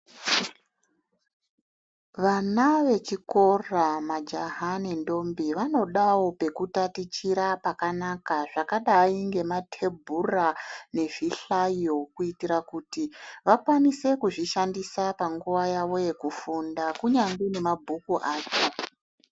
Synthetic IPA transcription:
ʋanaʋe̞t͡ʃiko̞ramad͡ʒaɦane̞ndo̞mbiʋano̞ɗawo̞pe̞kutatit͡ʃiɾapakanakaʐakaɗaaiŋɡe̞matʰe̞bʱurane̞v̥iɬajokuitiɾakuːtiʋakwanise̞kuʐiʃandisapaŋɡuʋajaʋo̞je̞kufundakuɲaŋɡine̞mabʱukuʔaːt͡ʃo

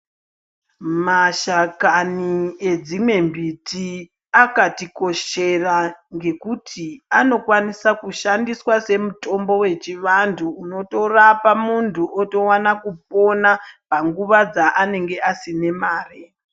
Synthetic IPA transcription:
maʃakanie̞d͡zimwe̞mbitʰi | akatiko̞ʃe̞raŋɡe̞kutʰiano̞kwanisakuʃandiswase̞muto̞mbo̞we̞t͡ʃiʋantʰuːno̞to̞rapamuntʰuʔoto̞wanakup̚o̞napaŋɡuʋad͡zaʔane̞ŋɡe̞asine̞maːre

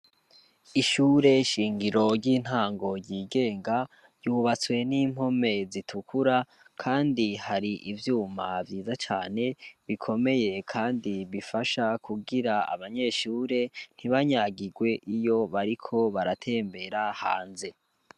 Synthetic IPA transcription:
iʃuːɾe̞ʃiːŋɡiɾo̞ɾɟiːn̥haːŋɡo̞ɾɟiːɡe̞ːŋɡa | juːβat͡swe̞niːm̥ho̞me̞zitʰukʰuɾa | kʰaːndihaɾiʔivjuːmavjiːzat͡ʃaːne̞βikʰo̞me̞je̞kʰaːndiβifaʃakʰuɡiɾaa̰βaɲe̞ʃuːɾe̞n̥iβaɲaːɡiɡwe̞ʔijo̞βaɾikʰo̞βaɾatʰe̞ːmbe̞ɾaha̰ːnze

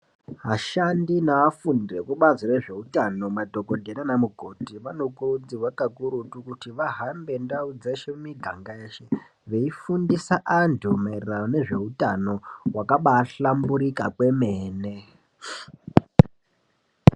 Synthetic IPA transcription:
ɦaʃandinaafundirekuɓaziɾeʐe̞utano̞madʱo̞kodʱenanamuɡʱo̞tiʋano̞kuɾud͡ziwakakuɾutukutiʋaɦambe̞ndaud͡zeʃemiɡʱaŋɡajeːʃe | ʋe̞ifundisaʔantʰumairerajone̞ʐe̞utano̞wakaɓaːɬambuɾikakwe̞meːne̞

